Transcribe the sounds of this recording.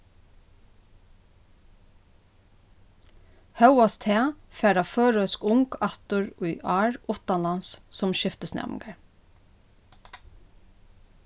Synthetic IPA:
hɑʉʊɑst̪ʰeːfeːɖɑːføːɹœskʊŋɡɑt̪ʊɹʉʏʔɑːɹʔʊt̪ɑlɑnssɔmʃɪft̪əsnɛ̰m̰ɡəɹ

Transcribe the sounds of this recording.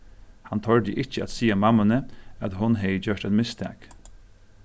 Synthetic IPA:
hant̪ʰɔɹd̪jəʔɪt͡ʃəæ̰t̪siːamamːanəæt̪ɦʊnɦɛjəd͡ʒœʂt̪aɪt̪mɪst̪ʰæ̰ːk

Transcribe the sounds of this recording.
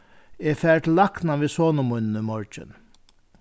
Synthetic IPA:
eːfɛɹt̪laknaʋiːsoːnəmʊjnnəmɔɹt͡ʃɪ̰n

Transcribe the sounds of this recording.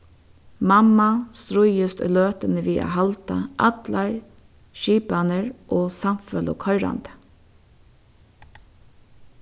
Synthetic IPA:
mamast̪ɾʊjəst̪løːt̪ənəʋiːʔa̰ɦalt̪aʔa̰t̪laɹ | ʃiːpanəɹʔoːsamfɛlɔ̰kʰɔʏɾa̰nt̪ə̥

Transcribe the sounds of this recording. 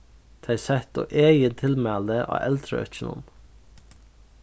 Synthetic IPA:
t̪ʰɑɪsɛt̪o̰ːʔeːjət̪ʰɪlmæːld̪əʔɑ̰ːʔɛlt̪ʰɾə̰œ̰t͡ʃənə̰n

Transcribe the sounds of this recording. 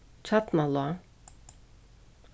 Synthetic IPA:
t͡ʃʰat̪malˠoa

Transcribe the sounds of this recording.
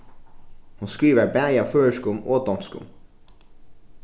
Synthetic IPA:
hʊnskɾiːʋəɾbæjɑføːəʂkʊmoːd̪ɔnskʊ̰m

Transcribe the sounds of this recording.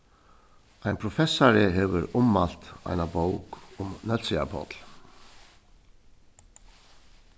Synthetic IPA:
aɪjnpʰɾʊfɛsːaɾɪɦɛːʋʏɾʊmːal̥t̪a̰ɪnabowkʊmnœt̪sɪa̰pʰɔ̰t̪l

